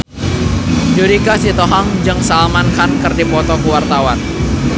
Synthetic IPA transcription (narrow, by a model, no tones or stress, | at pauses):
d͡ʒuɾikasit̪oɦaŋd͡ʒɨŋsalmankankərdipɔt̪ɔkuwart̪awan